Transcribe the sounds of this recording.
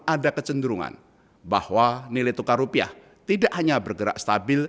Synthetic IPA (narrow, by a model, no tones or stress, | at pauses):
adakət͡ʃəndəɾuŋa̰n | bahwanilɪt̪ukarupia̰h | t̪idaʔhaɲabərɡəɾa̰ʔst̪abɪl